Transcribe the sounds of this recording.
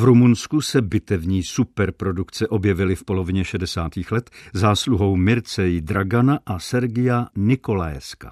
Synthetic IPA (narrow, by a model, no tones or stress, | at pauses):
vɾumunskusɛbɪt̪ɛvɲiːsupɛɾpɾo̞dukt͡sɛʔo̞bjɛvɪlɪfpo̞lo̞vɪɲɛʃɛdɛsa̰ːt̪iːxlɛt̪zaːsluɦo̞wmɪɾt͡sɛjd̪ɾaɡanaʔasɛɾɡɪjanɪkola̰jska̰